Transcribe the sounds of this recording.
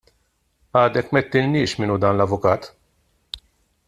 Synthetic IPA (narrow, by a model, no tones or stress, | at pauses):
ɐːd̪ɛkːmɛt̪ːɪlnɪːʃmɪːnud̪ɐːnlɐvʊkɐːt̪